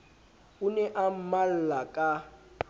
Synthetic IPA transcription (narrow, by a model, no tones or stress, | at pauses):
unɛʔam̩mal̩lakʼa